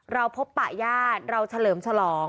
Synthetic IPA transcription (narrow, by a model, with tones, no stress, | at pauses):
ɾa˧wpʰo˦˥pːaː˨˩jaː˥˩t̪̚ɾa˧wt͡ɕʰa˧lɤː˩˦mt͡ɕʰa˧lɔː˩˦ŋ